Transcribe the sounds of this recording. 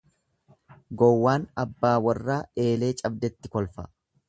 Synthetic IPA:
ɡɔwːaːnɐbːaːwɐrːaːe̞ːle̞ːt͡ʃʼɐb̚d̪ɛt̪ːɪkɔlfɐ

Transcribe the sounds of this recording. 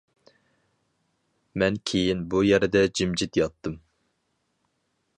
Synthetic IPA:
mɛnkʲʰejinbujɛɾɪd̪ɛd͡ʒimd͡ʒit̪jɑt̪ːɨm

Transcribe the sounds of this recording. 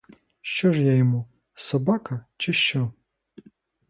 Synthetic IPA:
ʃt͡ʃɔʒjajɔmu | sɔbɑkɐt͡ʃɪʃt͡ʃɔ

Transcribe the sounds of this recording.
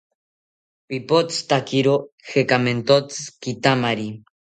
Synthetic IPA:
pipot͡st̪akiɾoxekament̪ot͡sɨ̥kit̪amaɾi

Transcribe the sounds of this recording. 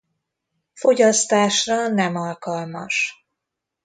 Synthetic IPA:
fo̞ɟɒst̪aːʃrɒnɛmɒlkɒlmɒ̰ʃ

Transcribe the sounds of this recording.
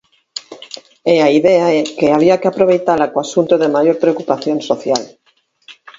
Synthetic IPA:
eaiðeaɛkeaβ̞iakɪapɾoβ̞ejt̪alakoasunt̪oðemajoɾpɾeokupaθjonsoθjal

